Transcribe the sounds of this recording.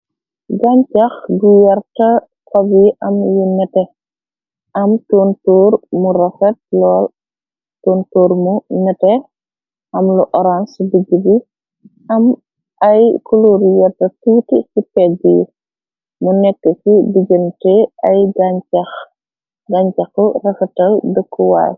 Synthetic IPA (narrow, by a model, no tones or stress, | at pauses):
ɡaɲt͡ʃɐxɡujɐrtɐ | kɐbiʔɐmjunɛtɛ | ɐmtuntuːrmuɾɐfɐt̚lɔːl | toːntuːɾmunɛtɛ | ɐmluʔɔɾansbiɡibi | ɐm | ɐjkuluɾjɛtɐtuːtikipɛbiju | munɛkːəkibiɟəntɛɐjɡaɲt͡ʃɐx | ɡaɲt͡ʃɐxɔrɐfɐtɐldəkːuwa̰ːj